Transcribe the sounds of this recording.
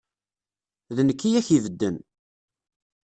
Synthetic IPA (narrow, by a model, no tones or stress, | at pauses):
ðənəkːijæçivəd̪ːən